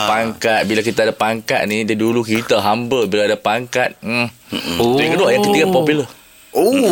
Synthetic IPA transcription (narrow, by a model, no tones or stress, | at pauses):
paŋkat̪̚bilakit̪aːdapaŋka̰t̪̚nidadulukit̪aɦambəlbilaadapaŋkat̪̩̚ | kəduaʔjaŋkət̪ikapɔpulə | o